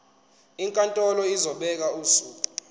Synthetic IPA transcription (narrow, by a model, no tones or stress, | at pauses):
iŋkʼantʼɔlɔizɔɓɛk̬ausuːkʼu